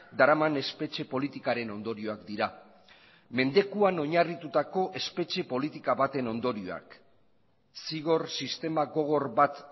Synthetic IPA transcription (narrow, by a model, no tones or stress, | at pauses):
d̪aɾamane̞spe̞t͡ʃe̞po̞lit̪ikaɾe̞no̞nd̪o̞ɾio̞akd̪iɾa | me̞nd̪e̞kuano̞ɲarit̪ut̪ako̞ʔe̞spe̞t͡ʃe̞po̞lit̪ikaβat̪e̞no̞nd̪o̞ɾio̞̰a̰k | siɣ̞o̞rsist̪e̞maɣo̞ɣ̞o̞ɾbat̪